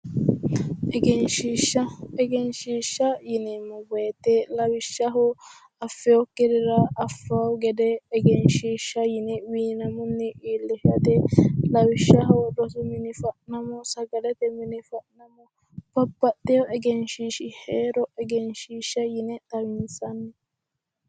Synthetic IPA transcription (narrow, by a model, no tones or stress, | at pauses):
ʔɛɡɛnʃiːʃːɐɛɡɛnʃiːʃːɐjɪnɛmːɔbɔjɛt̪ɛlɐwɪʃːɐɦɔ | ɐfːɛjɔkːɪdɪɾɐːfːaːʊɡɛd̪ɛːɡɛnʃiːʃːɐjɪnɛwiːnɐmɔnːɪʔiːlːɪfɐt̪ɛlɐwɪʃːɐɦɔd̪ɔsʊmɪnɪfɐʔnɐmɔsɐɡɐlɛt̪ɛmɪnɪfɐʔnɐmɔ | pɐpːɐt̪ːɛjɔʔɛɡɛnʃiːʃɪheːɾɔɛɡɛnʃiːʃːɐjɪnɛt̪ɐwɪnsɐnːɛ